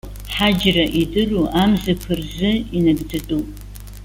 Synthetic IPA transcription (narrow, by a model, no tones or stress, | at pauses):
ħad͡ʒraʔidɨruʔamzɨkʷʰɨrzɨinɨɡtʰɨtʼupʼ